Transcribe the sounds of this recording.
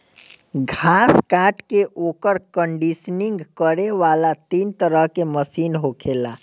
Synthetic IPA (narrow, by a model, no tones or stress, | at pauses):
ɡʱaskaʈkeʔokəɾkəɳɖisniŋɡkəɾeʋalat̪int̪əɾəɦkeməsinɦokʰela̰